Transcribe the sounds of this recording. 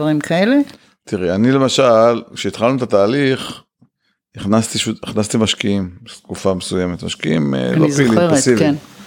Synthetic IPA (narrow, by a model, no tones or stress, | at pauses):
vaʁimkʰaele | t̪iʁianile̞maʃalkʃeit̪χalnut̪at̪aːliχ | iχnast̪iʃuiχnast̪imaʃkiimt̪kufamesujeme̞t̪maʃkiimḛloizilsiven